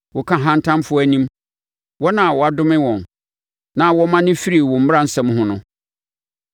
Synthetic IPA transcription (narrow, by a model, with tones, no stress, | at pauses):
wɔ˨kʰã˦ɦã˦n˦tʰã˦mfʊ˦æ˨nĩ˦m | wɔ˦nã˨wɔ˨a˨dʊ̃˦mɪ̃˦wɔ̃˨n | nã˦˨wɔ˦mã˦nɪ̃˦fi˦ɾi˨wɔ̃˨m̩˦m˦ɾã˦n̩˨sɛ̃˦m˦hʊ̃˦nʊ̃˦